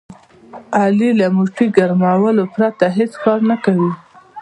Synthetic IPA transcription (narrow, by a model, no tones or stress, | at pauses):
ɑlilamuʈiɡaɾmawəlopɾat̪aɦet͡skɑɾnakawi